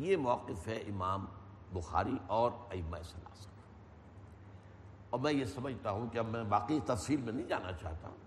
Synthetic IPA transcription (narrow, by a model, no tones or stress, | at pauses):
jemɔːqɪfɦɛʔɪmaːm | bʊxa̰ːɾiʔɔːɾɐjɪmːaɪsɐlːa̰ːsə̥n | ɔːɾmɛ̃jesɐməd͡ʒʱt̪aɦũkeɐmɛ̃baːqit̪ɐfsiːlmẽnɐɦĩd͡ʒa̰ːna̰t͡ʃa̰ːɦt̪ã̰